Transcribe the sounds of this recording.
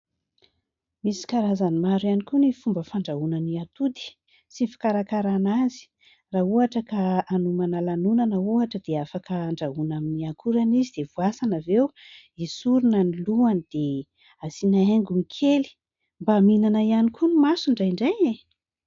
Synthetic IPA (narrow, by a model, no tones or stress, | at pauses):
misi̥kaɾazanimaɾuanikunifumbəfaɳɖ͡ʐaunaniat̪ud̪i̥ | sinfḁkaɾakaɾanazi̥ | rauaʈ͡ʂəkaːnumanalanunanəuaʈ͡ʂəd̪eafakəːɳɖ͡ʐaɦunaminiakʰuɾanizid̪̥evuasanavew | isuɾunaniluanid̪̥e | asinaeŋɡumikʰeli̥ | mbaminanaianikʰunimasuɳɖ͡ʐajɳɖ͡ʐajne